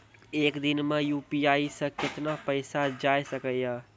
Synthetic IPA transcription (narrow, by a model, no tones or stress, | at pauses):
eːkd̪inmejuːpiaisə̃kɪt̪napəɪsad͡ʒajsəkəa